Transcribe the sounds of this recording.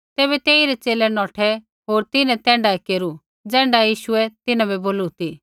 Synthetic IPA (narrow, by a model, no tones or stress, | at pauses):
t̪eːβɛt̪eːiɾɛt͡seːlɛnɔːʈʰɛ | ɦoːɾt̪ɪnɛ̃t̪ɛ̃ːɳɖaɛkeːɾu | d͡zɛ̃ːɳɖajiːʃʊɛt̪ɪnãbɛboːlut̪iː